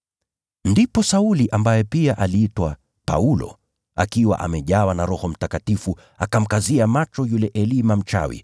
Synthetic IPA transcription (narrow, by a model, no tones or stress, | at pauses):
ndipɔsauliʔambajɛpiaʔaliitwa | pa̰ulɔ̰ | a̰kiwa̰ʔa̰mɛʄawanaɾɔhɔm̩takatifu | akam̩kaziamat͡ʃɔjulɛʔɛlimam̩t͡ʃa̰wḭ